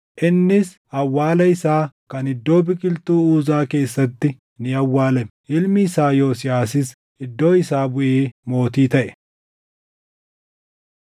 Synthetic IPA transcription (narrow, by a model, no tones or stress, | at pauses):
ʔɪnːɪs | ɐwːaːlɐɪsaːkɐnɪd̪ːo̞ːbɪkʼɪlt̪uːuːzaːke̞ːsːɐt̪ːɪ | nɪɐwːaːlɛmɛʔɪlmɪːsaːjo̞ːsɪjaːsɪs | ɪd̪ːo̞ːɪsaːbʊʔeːmo̞ːt̪iːt̪ɐʔɛ̥